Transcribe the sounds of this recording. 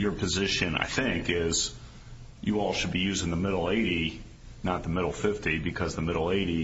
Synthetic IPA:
jə˞pʰɨzɪʃɨ̃na̰ɪθɪ̃ŋkɪz̥ | jɨɔlˠʃɨd̚bijʉzdɪ̃n̩ðəmɪɾl̩ˠeɪɾi | nət̪̚ðəmɪɾl̩ˠfɪftibɨkʰʌzðəmɪɾl̩ˠeɪɾi

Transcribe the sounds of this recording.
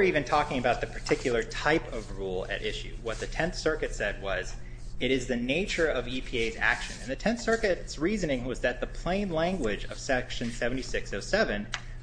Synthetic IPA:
ə˞ivɨ̃ntʰɔkɪ̃ŋɨbaʊt̪̚ðɨpʰə˞tʰɪkʰjl̩ˠə˞tʰaɪpʌvɹulˠɨ̰ɾʔɪʃʉ̰wʌt̪̚ðɨtʰɛ̃nθsɜ˞kɨtsɛd̚wʌz | ɨɾɨzðɨneɪt͡ʃə˞ʌvipʰieɪzæ̰kʃɨ̰̃nɨ̃nðɨtʰɛ̃nθsɜ˞kɨtsɹizɨnɪ̃ŋwʌzðɨt̪̚ðəpʰl̥ẽɪ̃nlæ̃ŋɡwɪd͡ʒʌ̰v̥sɛkʃɨ̃nsɛṽn̩tisɪksoʊsɛvɨ̃n

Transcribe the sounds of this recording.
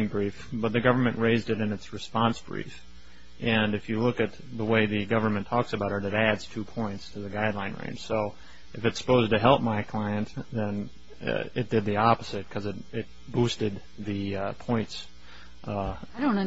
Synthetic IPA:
ŋbɹifb̥ʌt̪̚ðɨɡʌvə˞mɨ̃nʔɹeɪzdɨɾɨ̃nɨtsɹɨspɑ̃nsb̥ɹḭf | ʔɨ̃nɨfjɨlʊkɨt̪̚ | ðəweɪðɨɡʌvə˞mɨ̃ntʰɔksɨbaʊɾəɾɨɾædz̥tʰʉpʰɔ̃ɪ̃ntstʰɨðɨɡaɪdˡlãɪ̃nɹḛ̃ɪ̃nʒ̥soʊ | ʔɨfɨtsə̥pʰoʊztɨɦɛlˠp̚maɪkʰl̥aɪɨ̃nðɨ̃n | ɪt̚d̥ɨd̪̚ðiɑpəz̥ɨt̚kʰʌzɨɾ̚ɪt̚ | b̥ustɨd̪̚ | ðɨpʰɔ̃ɪ̃nts | õʊ̃n

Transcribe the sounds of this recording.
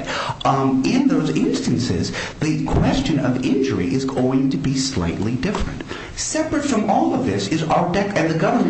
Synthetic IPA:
ɪ̃nðoʊzɪ̃nstɨ̃nsɪ̰zðɨkʰw̥ɛst͡ʃɨ̃nʌ̰vɪ̃nd͡ʒə̰˞ḭʔɨzɡoʊɪ̃ŋtʰɨbisla̰ɪʔˡlidɪfɹɨ̰̃nt̚ | sɛpɹɨtfɹʌ̃mɔlˠʌvðɪsɨzaʊə˞dɛkɨ̃nðɨɡʌvə˞m

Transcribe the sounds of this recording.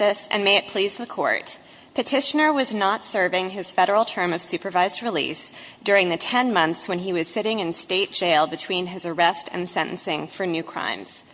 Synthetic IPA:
ɪsɨ̰̃nmeɪɨt̚pʰl̥izðəkʰɔ̰ɹt̚ | pʰɨtʰɪʃɨnə˞wʌznətsɜ˞vɪ̃ŋɨz̥fɛɾə˞l̩ˠtʰɜ̃˞mʌv̥sʉpə˞vaɪzd̚ɹɨlḭs | d̥ʊɹɪ̃ŋðɨtʰɛ̃nmʌ̃nθswɨ̃niwʌz̥sɪɾɪ̃ŋɨ̃nsteɪt̚d̥ʒ̥eɪlˠbɨtʰw̥ĩnɨzə˞ɛstʰɨ̰̃nsɛ̃ñʔn̩sɪ̃ŋfə˞nʉkʰɹ̥ã̰ɪ̃mz̥

